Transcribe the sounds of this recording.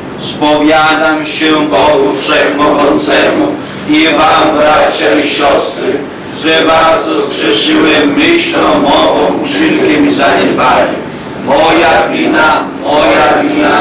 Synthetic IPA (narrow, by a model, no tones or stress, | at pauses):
spɔvʲjad̪amɕɛbɔɡupʂɛjmɔɡɔnt̪sɛmu | imambɾat͡ɕaiɕɔst̪ɾɘ | ʐɛbaɾd̪zɔskʂɛʂiwɛmɘɕlɔ̃mɔvɔ̃w̃pʂilkʲɛmʲizaɲɛd̪vaɲʲu | mɔjavʲinamɔjavʲina